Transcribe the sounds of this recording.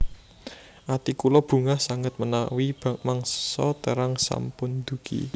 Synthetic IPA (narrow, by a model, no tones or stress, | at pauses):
ʔat̪ikulɔb̥ṳŋahsaŋət̪̚mənawib̥amaŋssɔt̪əɾaŋsa̰mpʊnd̪ṳkḭ